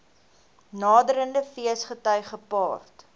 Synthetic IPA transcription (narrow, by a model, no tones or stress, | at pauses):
nɑːdəɾəndəfiəsχətœɥχəpɑːrt